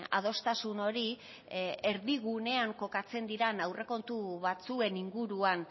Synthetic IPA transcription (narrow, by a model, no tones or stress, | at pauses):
a̰ð̞o̞st̪asuno̞ɾi | eɾðiɣune̞aŋko̞kat͡se̞nd̪iɾanawre̞ko̞nt̪uβat͡sue̞niŋɡuɾuan